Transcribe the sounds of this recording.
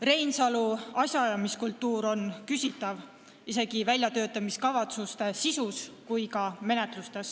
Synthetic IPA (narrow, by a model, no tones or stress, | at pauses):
re̞jnsɑluɑsjɑjɑmiskult̪ːˑuːɾo̞nkysʲit̪ːˑɑv | ise̞ɡ̥ivælʲjɑt̪ø̞ːt̪ːˑɑmiskɑvɑt̪sust̪e̞sisuskujkɑme̞ne̞t̪lust̪e̞s